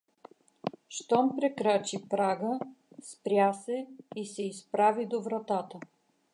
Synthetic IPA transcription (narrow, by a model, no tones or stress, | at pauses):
ʃt̪ɔmpɾɛkɾat͡ʃipɾaɡə | spɾʲjasɛisɛispɾavid̪ovɾɐt̪at̪ə